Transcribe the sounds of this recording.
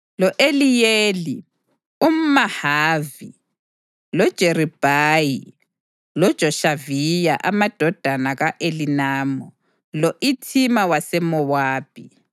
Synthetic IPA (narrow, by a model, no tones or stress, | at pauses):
lɔʔelijeːli | um̩mahaːvi | lɔd̥ʒ̥ʱerib̥ʱaji | lɔd̥ʒ̥ʱɔʃavijaʔamad̥ʱɔd̥ʱanaɣaʔelinaːmɔ | lɔʔitʰimawasɛmɔwaːpʰi